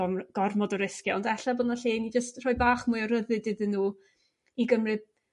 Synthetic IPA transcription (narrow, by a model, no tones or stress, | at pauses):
ɔmɡ̥ɔrmɔdɔɾɪskjaɔndɛɬaboːdnaɬeːnid͡ʒəstr̥ɔjbaːχmʊɨɔɾəðɨdɨðənːuː | iɡəmrɨd